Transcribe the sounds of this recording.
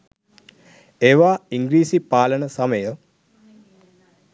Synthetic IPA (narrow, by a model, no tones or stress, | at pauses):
eːʋaːiŋɡɾiːsipaːlənəsaməjə